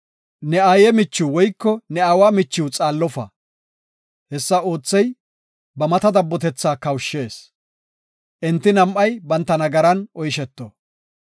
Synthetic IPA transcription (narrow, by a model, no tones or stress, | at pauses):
nɛaːjɛmɪt͡ʃːuwwɔjkːɔnɛawaːmɪt͡ʃːɪwt͡sʼaːlːɔfɐ̰ | hɛsːɐo̞ːt͡sːɛj | bɐmɐt̪ɐd̪ɐbːɔt̪ɛt͡sːaːkɐwʃːe̞ːs | ʔɛnt̪ːɪnɐmʔɐjbɐnt̪ːɐnɐɡɐɾɐnɔjʃɛt̪ːo